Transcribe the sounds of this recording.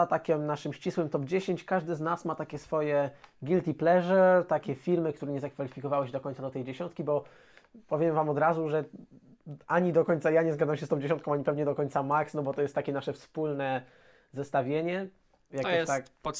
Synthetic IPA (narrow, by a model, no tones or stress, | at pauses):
at̪akʲɛmnaʂɘmɕt͡ɕiswɘmt̪ɔbd͡ʑeɕeɲt͡ɕkaʐd̪ɘznasmat̪akʲɛsfɔjɛɡʲilt̪ʲiplɛʐɛt̪akʲɛfʲilmɘk̚t̪uɾɛɲɛzakfalʲifʲikɔvawɛɕɛd̪ɔkɔɲt̪sad̪ɔt̪ɛjd͡ʑeɕɔ̃nt̪kʲibɔ | pɔvʲjɛmvamɔd̪ɾazuʐɛ | aɲid̪ɔkɔɲt̪sajaɲɛzɡad̪amɕ̬ɛst̪ɔ̃w̃d͡ʑeɕɔnt̪kɔ̃aɲipɛvɲɛd̪ɔkɔɲt̪samaksnɔbɔt̪ɔjɛst̪ːakʲɛnaʂɛfspulnɛ | zɛst̪avʲjeɲɛ | jaket̪ak